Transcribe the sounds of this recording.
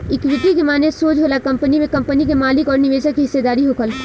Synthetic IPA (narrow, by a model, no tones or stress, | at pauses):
ɪkʋɪt̪ikemaːnesoːd͡ʒɦoːlakɐ̃mpənimẽkɐ̃mpənikemaːlɪkɔːɾnɪʋeːʃəkːiɦɪsːed̪aːɾiɦoːkʰəl